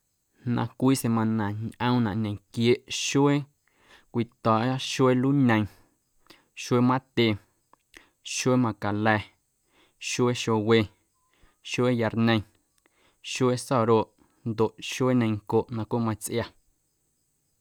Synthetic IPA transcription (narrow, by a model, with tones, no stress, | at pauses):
nã̰˧kʷiː˦se˧mã˧nã˨ɲʔə̃˧w̃nã˨ʔɲẽ˨kje˦˨ʔʃo˦e˦ | kʷi˧˨t̪ɔː˨ʔa˦ʃwe˦luː˦ɲẽ˧j̃ | ʃwe˦mã˦t̪e˧˨ | ʃwe˦mã˧ka˨lɛː˧˨ | ʃwe˦ʃo˧we˧˨ | ʃe˦ja˧ɾnẽ˧j̃ | ʃwe˦sɔ˦˨ɾoː˦˨ʔ | nd̪o˨ʔʃe˦ɲẽ˧jŋko˨ʔnã˧kʷo˦mã˧t͡sʔja˧